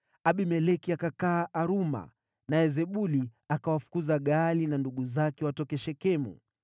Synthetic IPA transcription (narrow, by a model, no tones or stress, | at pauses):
aɓimɛlɛkiakakaːʔaɾuma̰ | naɛzɛɓuliakawafu̥kuzaɠalinanduɠuzakɛwatɔkɛʃɛkɛmṵ